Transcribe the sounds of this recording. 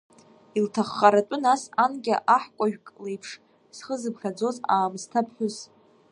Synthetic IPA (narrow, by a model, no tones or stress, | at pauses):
iltʰaχːaɾatʷʼʊnasanɡʲaʔaħkʷʼaʒᶣkʼlejpʰʂ | sχəzɨbχʲad͡zo̞zaːmstʰapʰħʷʊz